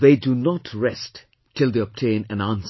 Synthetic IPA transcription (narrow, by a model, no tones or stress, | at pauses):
ðedunɔtʰɹɛst | tʰɪld̪eɔb̚tʰẽɪ̃næ̃nãns